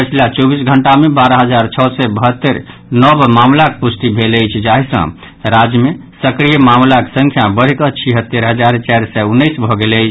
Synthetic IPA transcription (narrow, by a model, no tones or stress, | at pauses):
pət͡ʃʰilat͡ʃɔbisɡʱəɳʈamebaɾaɦəd͡ʒaɾt͡ʃʰɔsɛbəɦət̪ːəɾ | nɔbmamlakepust̪ibʱeləjt͡ʃʰd͡ʒaɦisə̰̃ | ɾad͡ʒjəmesəkɾijəmamlake̥sə̃ŋkʰjabəɾ̤ikət͡ʃʰiɦət̪ːeɾɦəd͡ʒaɾt͡ʃaɾsɛunːəɪsbʱɔɡeləjt͡ʃʰ